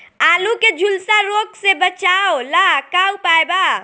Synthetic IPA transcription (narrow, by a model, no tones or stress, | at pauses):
aːluked͡ʒʱʊlsaɾoːksebət͡ʃaːolakaːupaːjba